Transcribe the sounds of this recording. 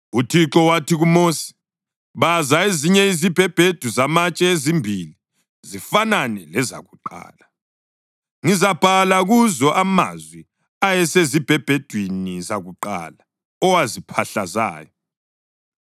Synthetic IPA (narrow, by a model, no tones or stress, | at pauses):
utʰiǁɔwatʰiɣumoːsi̥ | βazaeziɲɛizib̥ʱɛb̥ʱed̥ʱuzamat͡ʃʼɛezimbʱili | zifananɛlɛza̰ɣuǃa̰ːla | ŋizab̥ʱalaɣuzɔʔama̰zwi | ajɛsezib̥ʱɛb̥ʱed̥ʱwinizaɣuǃa̰la | ɔwazipʰaɬa̰za̰ːjɔ